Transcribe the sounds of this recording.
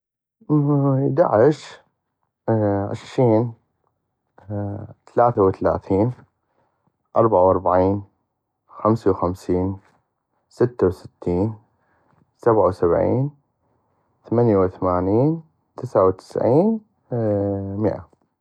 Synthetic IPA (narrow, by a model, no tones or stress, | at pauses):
d̪a̰ʕɪʃ | ʕɪ̰ʃɾiːn | t̪alaːθawɪθala̰ːθiːn | ʔɑɾˤbaʕawʔɑɾˤbaʕiːn | xamsawxamsiːn | sɪt̪ːawsɪ̥t̪ːiːn | sabʕawsabʕḭːn | θamanjawɪθamaːniːn | t̪ɪsʕawt̪ɪ̥sʕiːn | mɪʔa̰